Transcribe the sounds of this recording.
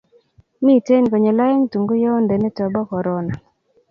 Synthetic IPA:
mi˦˨te˦nkɔ˨ɲe˨la˦e˦ŋtu˨ŋɡʊ˦jɔ˦ndɛ˨nɛ˦tɔ˨bɔ˦kɔ˨ɾɔ˨na˨

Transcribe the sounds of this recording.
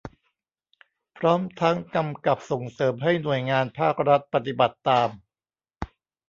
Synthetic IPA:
pʰɾɔː˦˥mt̪ʰa˦˥ŋka˧mka˨˩p̚so˨˩ŋsɤː˩˦mɦa˥˩jnu˨˩əjŋaː˧npʰaː˥˩k̚ɾa˦˥t̪̚pa˨˧t̪i˨˩ba˨˩t̪ːaː˧m

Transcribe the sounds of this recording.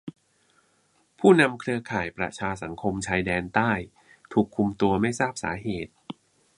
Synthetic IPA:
pʰuː˥˩na˧mkʰɾɯ˧ɐkʰaː˨˩jpɾa̰˨˧t͡ɕʰaː˧s̬a˩˦ŋkʰo˧mt͡ɕʰaː˧jdɛː˧nt̪aː˥˩j | t̪ʰuː˨˩kʰːu˧mt̪u˧ɐma˥˩jsaː˥˩p̚sa̰ː˩˦ɦeː˨˩t̪̚

